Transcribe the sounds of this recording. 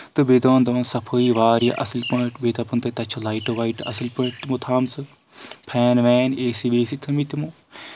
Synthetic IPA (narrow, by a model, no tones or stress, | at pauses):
t̪ɨbeːd̪ɐʋɐnd̪ɐʋɐnsɐpʰoːiʋaːɾja̰ʔɐslpɐʈbeːt̪apɐnt̪ɐt̪ɐt͡ʃʰɐlaːiʈɐʋaiʈɐ̰slpɐʈt̪mut̪ʰaːmsɨ | pʰɛːnʋɛːneːsiʋeːsit̪ʰɐmit̪imo